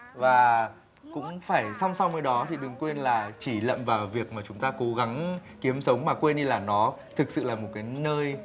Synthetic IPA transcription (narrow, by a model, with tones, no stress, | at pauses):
vaː˨˩ | kʊ̰˧˥ŋ͡mfaː˧˩jsa˧wŋ͡mswnəː˧˦jɗɔ˨˦t̪ʰi˨˩ɗɨ˨˩əŋkwe˧nlaː˨˩t͡ɕi˧˩lə̰˧˨mvaː˨˩wvi˨˩ək̚maː˨˩t͡ɕʊ˨˦ŋ͡mt̪aː˧ko˨˦ɣa˨˦ŋki˨˦əmsə˨˦wŋ͡mmaː˨˩kwe˧nɗi˧laː˨˩nɔ˨˦t̪ʰɨ˨˩k̚sɨ̰˧˨laː˨˩mo˨˩t̚kaː˨˦jnəː˧j